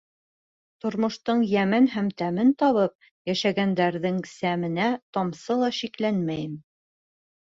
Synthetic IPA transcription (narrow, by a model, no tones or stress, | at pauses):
t̪ŏɾmŏʃt̪ɤɴjæmɘnɦæmt̪æmɘnt̪ɒβɤp̚ | jæʃæɡænd̪æɾðɘŋsæmɘ̆næt̪ɑmsɤlˠɑʃiklænmæjɘm